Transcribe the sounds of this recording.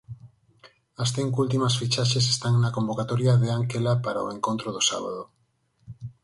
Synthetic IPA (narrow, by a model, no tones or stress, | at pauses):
ɐsθiŋkult̪imasfit͡ʃaʃes̬e̥st̪aŋnakombokat̪ɔɾjaðeaŋkelapaɾao̰eŋkont̪ɾoðosa̰βa̰ðo